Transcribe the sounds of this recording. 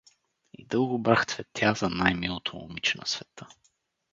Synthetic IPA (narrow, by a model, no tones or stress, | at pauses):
ḭd̪ɤlˠɡʊbɾaxt̪vɛt̪ʰʲjazɐnajmilˠot̪ʰomo̰mit͡ʃnɐ̰svɛt̪ə